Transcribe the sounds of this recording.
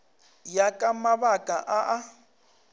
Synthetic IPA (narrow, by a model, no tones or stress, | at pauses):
jakʼamaβakʼaʔaʔa